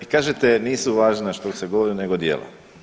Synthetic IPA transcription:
ikaːʒet̪eniːsuʋaːʒnaʃt̪okseɡoʋoɾineɡod̪jḛːla̰

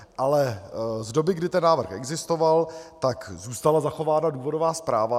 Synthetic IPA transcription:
ʔalɛzdo̞bɪɡdɪt̪ɛnːaːvr̩xʔɛɡzɪst̪o̞valt̪akzuːst̪alazaxo̞vaːnaduːvo̞do̞vaːspɾaːva

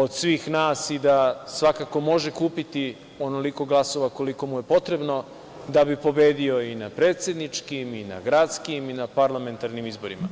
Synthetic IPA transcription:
o̞d̪sʋiːxnaːsid̪asʋakaːko̞mo̞ʒekuːpit̪i | o̞no̞liko̞ɡlˠaso̞ʋako̞liko̞muje̞po̞t̪ɾe̞bno̞ | d̪abipo̞be̞ːd̪io̞inapɾe̞ːt̪sje̞d̪nit͡ʃkimina̰ɡɾat̪skiminapaɾlˠame̞nt̪aɾnimizbo̞ɾima

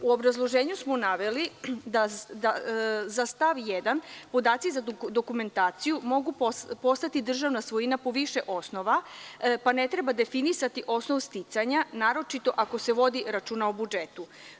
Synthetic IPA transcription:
uo̞bɾazlˠo̞ʒeːɲusmonaʋelid̪ad̪azast̪aʋjed̪anpo̞d̪aːt̪sizad̪o̞kume̞nt̪aːt̪sijumo̞ɡuppo̞st̪at̪id̪r̩ʒaʋnasʋo̞jinapo̞ʋiʃe̞ʔo̞sno̞ʋapane̞t̪ɾebad̪efinisat̪iʔo̞snoʋst̪it̪saɲanaːɾo̞t͡ʃit̪o̞ʔako̞se̞ʋo̞d̪iɾat͡ʃuːnaobud͡ʒet̪u

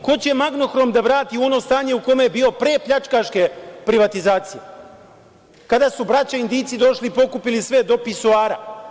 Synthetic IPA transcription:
ko̞t͡ɕemaɡno̞xɾo̞md̪aʋɾaːt̪iuo̞no̞ːst̪aːɲe̞ukomejebiːo̞pɾe̞ːpʎat͡ʃkaʃke̞pɾiʋat̪izaːt̪sije̞ | kad̪asubɾat͡ɕaind̪iːt̪sid̪o̞ʃlipo̞kupilisʋe̞d̪o̞pisuaːɾa

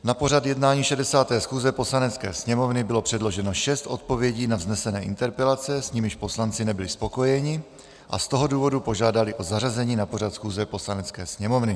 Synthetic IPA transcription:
napo̞r̝at̪jɛdnaːɲiːʃɛdɛsaːt̪ɛːsxuːzɛpo̞slanɛt͡skɛ̰ːsɲɛmo̞vnɪbɪlo̞pr̝̥ɛdlo̞ʒɛno̞ʃɛst̪ʔo̞t̪̚po̞vjɛɟiːnavznɛsɛnɛːʔɪ̰nt̪ɛɾpɛlat͡sɛsɲimɪʃpo̞slant͡sɪnɛbɪlɪspo̞ko̞jɛɲɪ | ʔa̰st̪o̞ɦo̞duːvo̞dupo̞ʒaːdalɪʔo̞zarazɛɲiːnapo̞r̝at̪sxuːzɛpo̞slanɛt͡skɛːsɲɛmo̞vnɪ

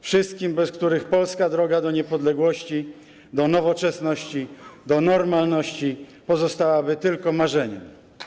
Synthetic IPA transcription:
fʂɘst̪̚kʲimbɛskt̪uɾɘxpɔlskad̪ɾɔɡad̪ɔɲɛpɔd̪lɛɡwɔɕt͡ɕi | d̪ɔnɔvɔt͡ʂɛsnɔɕt͡ɕid̪ɔnɔɾmalnɔɕt͡ɕipɔzɔst̪awabɘt̪ɘlkɔmaʐɛɲɛm

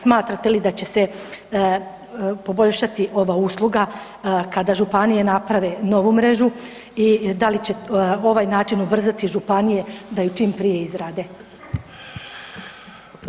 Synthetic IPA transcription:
smaːt̪ɾat̪e̞lid̪at͡ɕe̞se̞ | po̞bo̞ʎʃat̪iʔo̞ʋauːslˠuɡa | kad̪aʒupanije̞napɾaʋe̞no̞ʋumɾe̞ʒu | id̪alit͡ɕe̞o̞ʋajnaːt͡ʃinubr̩zat̪iʒupanije̞d̪ajut͡ʃiːmpɾije̞izɾaːd̪e̞

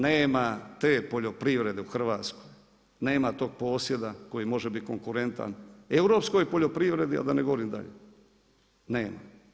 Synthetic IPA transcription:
neːmat̪e̞ːpo̞ʎo̞pɾiʋɾe̞d̪e̞uxr̩ʋaːt̪skoj | ne̞ːmat̪o̞ːɡ̚po̞ːsje̞d̪ako̞jimo̞ʒebit̪̚ko̞ŋkuɾe̞nt̪a̰ne̞wɾo̞psko̞jpo̞ʎo̞pɾiʋɾe̞d̪ia̰d̪aneɡo̞ʋoɾimd̪a̰ʎḛ | ne̞ːma̰

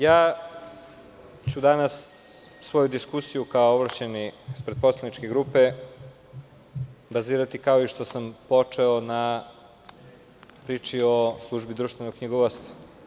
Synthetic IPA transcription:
jaː | t͡ɕud̪anasːʋo̞jud̪iskusijukaooʋɾat͡ɕeniispɾet̪̚po̞slˠanit͡ʃke̞ɡɾuːpe | baziːɾat̪ikao̞iʃt̪o̞sampo̞t͡ʂeona | pɾiːt͡ʃio̞slˠuʒbid̪ɾuʃt̪ve̞nokɲiɡoʋost̪ḁ

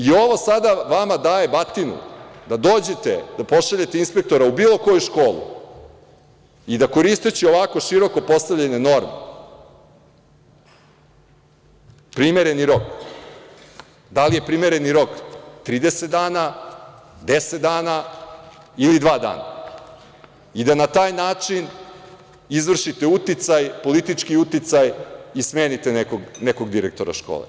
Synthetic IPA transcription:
io̞ʋo̞sad̪aʋamad̪aːje̞bat̪inṵd̪ad̪oːd͡ʑe̞t̪ḛd̪apo̞ʃaʎe̞t̪einspe̞k̚t̪o̞ɾaubiːlˠo̞ko̞juʃkoːlˠṵ | id̪ako̞ɾist̪et͡ɕeo̞ʋako̞ʃiɾo̞ko̞po̞st̪aʋʎeneno̞ɾmḛ | pɾimeɾe̞niɾo̞k | d̪alije̞pɾimeɾe̞niɾo̞kt̪ɾiːd̪e̞set̪d̪aːna | d̪eset̪̚d̪aːna | ilid̪ʋaːd̪a̰ːna̰ | id̪anat̪aːjnaːt͡ʃin | izʋr̩ʃit̪e̞ut̪it̪sajpo̞lit̪it͡ʃkiut̪it̪sajisme̞ːnit̪enekoɡneko̞ɡd̪iɾḛk̚t̪o̞ɾa̰ʃko̰ːlḛ

